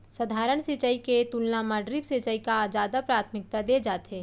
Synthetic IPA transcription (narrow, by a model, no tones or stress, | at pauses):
səd̪ʱaːɾəɳ̃sɪt͡ʃəiket̪ulnamaːɖɾɪbset͡ʃəikad͡ʒaːd̪apɾaːt̪ʰmɪk̚t̪ad̪ed͡ʒaːt̪ɦeː